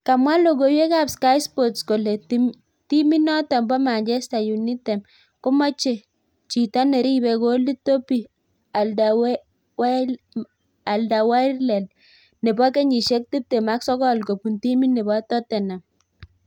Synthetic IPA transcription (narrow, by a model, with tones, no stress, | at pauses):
ka˨mwa˦lo˨ɡo˨wje˦ka˦˨pska˦jspo˨tsko˨le˨t | ti˦mi˦nɔ˦tɔ˨mbɔ˦ma˨ɲd͡ʒɛ˦sta˨ju˨ni˦te˨m | ko˦mɔ˦t͡ʃe˨ | t͡ʃi˨ta˦ne˨ɾi˦be˨ko˨˦li˦to˦pi˨ | w | w | a˨lda˨wa˦ɾlɛ˨n | ne˨bɔ˦ke˦ɲi˨ʃe˦k̚ti˦p̚te˨ma˦ksɔ˦kɔ˦˨lko˨pu˨nti˦mi˦nːe˨bɔ˦tɔ˦tɛ˨na˨m